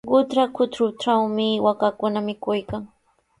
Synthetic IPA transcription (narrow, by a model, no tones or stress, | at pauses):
ɢʊt̪ɾakʰʊt̪ɾʊt̪awmɪwakakʊnamɪkʊjkaŋ